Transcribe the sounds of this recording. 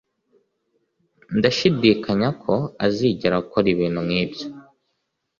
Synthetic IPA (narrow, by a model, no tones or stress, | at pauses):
ndaʃidiːkaɲakʰo̞aziːɟiɾaukoɾiβiːn̤̥umŋiːbjo